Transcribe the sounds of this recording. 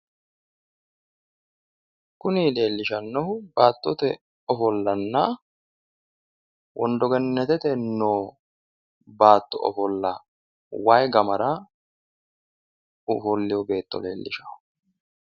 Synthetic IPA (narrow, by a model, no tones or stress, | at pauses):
kʊniːle̞ːlːɪʃɐnːɔhʊbaːt̪ːɔt̪ɛ | ɔfɔlːɐnːɐ | wʔɔnd̪ɔɡɛnːɛt̪ɛt̪ɛnːoː | baːt̪ːɔʔɔ̰fɔlːɐ | wajɡɐmɐɾa | ʊfɔlːɪjɔbe̞ːt̪ːɔ̰leːlːɪ̰ʃa